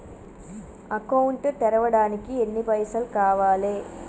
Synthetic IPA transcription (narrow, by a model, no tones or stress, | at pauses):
ɐkɐwuɳʈt̪ɛɾɐʋɐɽaːnikienːipɐjsɐlkaːʋaːleː